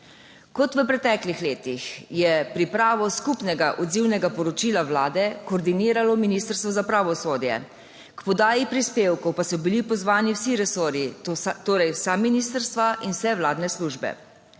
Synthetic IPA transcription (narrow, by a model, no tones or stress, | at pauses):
kɔt̪ʋəpɾɛt̪ɛklixleːt̪ixjɛpɾipɾaːʋɔskupnɛɡaʔɔd̪ziwnɛɡapɔɾɔt͡ʃilaʋlaːd̪ɛkɔːɾd̪iniːɾalɔminist̪əɾst̪ʋɔzapɾaʋɔsoːd̪jɛ̰ | kpɔd̪aːjipɾispeːwkɔwpasɔbilipɔzʋaːniwsiɾɛsoːɾjit̪oːɾɛjwsaminist̪əɾst̪ʋaʔinwsɛʋlaːd̪nɛsluʒbɛ̰